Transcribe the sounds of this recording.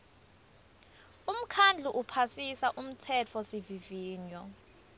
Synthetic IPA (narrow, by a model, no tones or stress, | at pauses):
um̩kʰand͡ɮʱuʔupʰasisaʔum̩tʰɛt͡fʰɔsiviviːɲɔ